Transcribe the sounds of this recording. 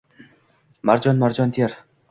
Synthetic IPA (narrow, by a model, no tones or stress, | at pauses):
maɾd͡ʒɒnmaɾd͡ʒɒnt̪ʰijaɾ